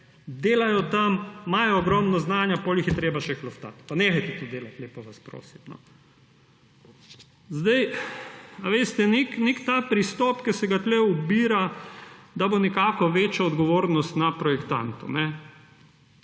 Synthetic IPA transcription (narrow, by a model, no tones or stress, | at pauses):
d̪eːlajɔt̪ammajɔːɡɾɔmnɔznaːnjapoːlixjɛt̪ɾeːbaʃɛklɔft̪a̰t̪panexajt̪ɛt̪od̪eːlat̪leːpɔʋaspɾo̰ːsimnɔ̰ | zd̪aj | aʋeːst̪ɛneknekt̪aːpɾist̪ɔːpkɛsɛɡat̪lɛubiːɾa | d̪abonɛkaːkɔʋeːt͡ʃjaɔd̪ɡɔʋoːɾnɔst̪napɾɔjɛkt̪a̰nt̪ṵnɛ